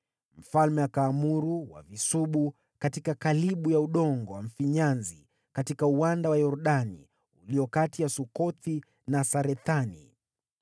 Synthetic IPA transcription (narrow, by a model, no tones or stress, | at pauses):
m̩falmɛakaːmuɾuwa̰visuɓu | katikakaliɓujauɗɔŋɡɔwam̩fiɲanzi | katikauwandawajɔɾɗanḭ | uliɔkatijasukɔθi | nasaɾɛθanḭ